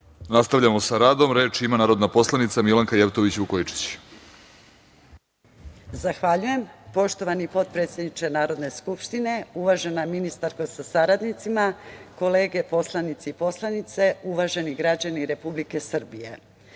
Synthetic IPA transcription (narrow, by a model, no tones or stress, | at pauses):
nast̪aʋʎamosaɾaːd̪o̞mɾe̞ːt͡ʃimanaːɾo̞d̪napo̞slˠanit̪samilaŋkajeʋt̪oʋit͡ɕukoit͡ʂi̥t͡ɕ | zaxʋaʎuje̞mpo̞ʃt̪o̞ʋanipo̞t̪̚pɾe̞t̪sjed̪nit͡ʃe̞naːɾo̞d̪ne̞skupʃt̪ine̞uʋaʒe̞naminist̪aɾkosasaɾad̪nit̪simako̞le̞ːɡe̞po̞slˠanit̪seipo̞slˠanit̪se̞uʋaʒe̞niɡɾad͡ʑaniɾe̞publike̞sr̩bije̞